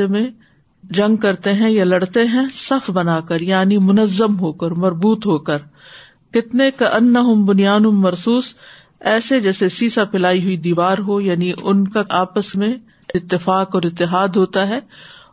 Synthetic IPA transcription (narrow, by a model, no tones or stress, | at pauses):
emẽ | d͡ʒɐ̃ŋɡ̚kɐɾt̪eɦɛ̃jalɐɽt̪eɦɛ̃sɐfbɐnaːkɐɾjaːnimʊnəzːəmɦoːkəɾmɐɾbuːt̪ɦoːkəɾ | kɪt̪nekɐʔɐnːɐɦʊmbʊnijaːnʊmːɐɾsuːs | ɛːsed͡ʒɛːsesiːsapɪlaːiɦʊid̪iːʋaːɾɦojaːniʔʊnkaʔaːpəsmẽ | ɪɪt̪ːɪfaːkɔːɾɪt̪ːɪɦaːd̪ɦoːt̪aɦɛː